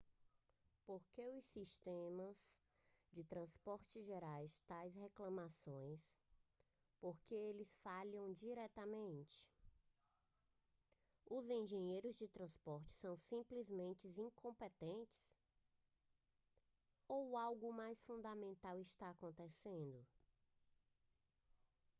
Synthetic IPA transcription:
poɾkeʊsiʃt̪ẽmɐz | d͡ʒɪt̪ɾɐ̃spɔɾt͡ʃɪʒeɾajst̪ajsheklɐ̃masõj̃s | poɾkeelɪsfalɐ̃w̃d͡ʒiɾɛt̪ɐmẽnt͡ʃɪ̥ | ʊzẽʒẽɲejɾʊzd͡ʒɪt̪ɾɐ̃spɔɾt͡ʃɪ̥sɐ̃w̃sĩplizmẽnt͡ʃɪzĩkõpet̪ẽnt͡ʃɪ̥s | owawɡʊmajsfũnd̪amẽnt̪awɪst̪aːkõnt̪esẽnd̪ʊ

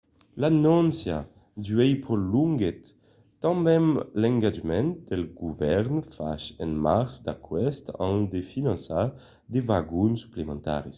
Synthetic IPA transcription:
lanɔ̃nsja̰ | d̪yɛjpʁoluŋɡɛt̪ː | ãmbɛ̃mlɛ̃ŋɡad͡ʒmɛ̃n̚d̪̥ɛlɡuvɛʁnfa̰ʃɛ̃nmaʁsd̪akwɛst̪ã̰nd̪efinɑ̃nsa | d̪evaɡunsy̥plemɑ̃nt̪a̰ʁis

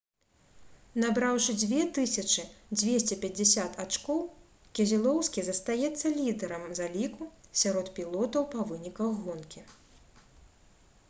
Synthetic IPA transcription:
nabɾawʂɨd͡zʲvʲɛt̪ɨsʲɐt͡ʂɨd͡zʲvʲesʲt͡sʲɛpʲɐd͡zʲɛsʲat̪at͡ʂkɔw | kʲɛzʲilˠɔwskʲizɐst̪ajɛt̪sːɐlʲid̪ɛɾɐmzalʲikusʲaɾɔt̪pʲilˠɔt̪ɐwpɐvɨnʲikɐɣːɔnkʲi

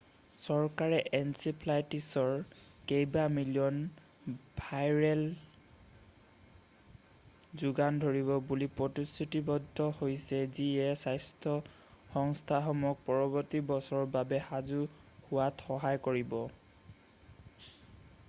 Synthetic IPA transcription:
sɔɹkaɹɛʔɛnsiplajtisɔɹ | kejbamilijɔn | bʱajɹɛl | zuɡandʱoɹibɔbulipɹotistutibɔdʱɔhojsɛziɛsajstʰɔ | xɔŋstʰaɦɔmɔk̚pɔɹɔbɔɹtibɔsɔɹbabɛhazuhʊwatxɔɦajkoɹibɔ

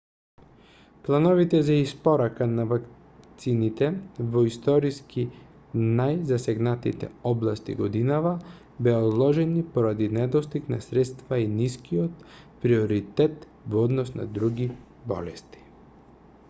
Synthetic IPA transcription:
plˠanɔvit̪ɛzaispɔɾakanavak | t̪sinit̪ɛvɔist̪ɔɾiski | najzasɛɡnat̪ḭt̪ɛ̰ɔblˠast̪ḭɡɔd̪inava | bɛaozlˠɔʒɛnipɔɾad̪inɛd̪ɔst̪iknasɾɛt̪st̪vainiskiɔt̪ | pɾiɔɾit̪ɛt̪ | vɔɔd̪nɔsna̰d̪ɾuɡi | bɔ̰lɛst̪i̥

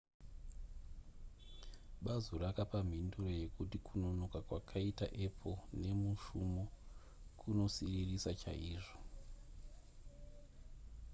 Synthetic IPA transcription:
ɓazurakapam̤induro̞je̞kutikuno̞nokakwakʰaita̰ʔe̞pʰone̞muʃumo | kʰuno̞siririsat͡ʃa̰ʔiːʐo̥

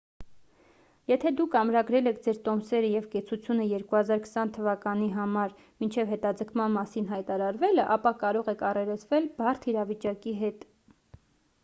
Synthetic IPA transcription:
jɛt̪ʰɛd̪ukʰɑmɾɑɡɾɛlɛkʰd͡zɛɾt̪ɔmsɛɾəjɛvkɛt͡sʰut͡sʰjunəjɛɾkuhɑzɑɾkʰə̥sɑnt̪ʰəvɑkɑniɦɑmɑɾ | mint͡ʃʰɛvɦɛt̪ɑd͡zəkʰmɑnmɑsin̪ɦɑjt̪ɑɾɑɾvɛləʔɑpɑkɑɾɔʁɛkʰɑrɛɾət͡sʰvɛlbɑrt̪ʰiɾɑvit͡ʃɑkiɦɛt̪

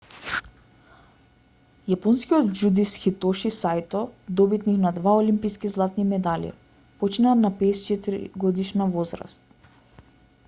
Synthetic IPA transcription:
japɔnskiɔt̪d͡ʒud̪isxit̪ɔʃisajt̪ɔd̪ɔbit̪niknad̪vaolimpiskizlˠat̪nimɛd̪alḭ | pɔt͡ʃinanapɛːst͡ʃɛt̪iɾḭɡɔd̪iʃnavɔzɾa̰st̪

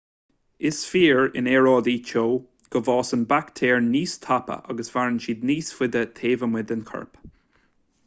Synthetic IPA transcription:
ɪsfiːɹɪ̰nɛɹɔːd̪iːt͡ʃoː | ɡ̥əvɑːsənbakt̪ʰeːɹniːst̪ʰapə̰ʔaɡəsv̥aɹənʃiːd̪̚niːsfɪd̪ət̪ʰeːvəmwɪd̪ənkʰə̰ɹp

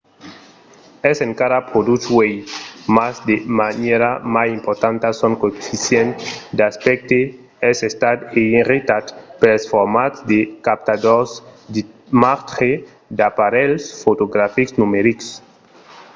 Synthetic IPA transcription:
ɛseŋkaɾapɾod̪ut̪wejmazd̪emaneɾamasĩmpoɾt̪ãnt̪asoŋkoefisjent̪d̪aspɛk̚t̪e | ɛsest̪ad̪einrit̪at̪pelesfoɾmat̪d̪ekap̚t̪ad̪oɾsd̪ | maɾt̪ɾe | d̪apaɾelsfot̪oɡɾafiksnumeɾiks

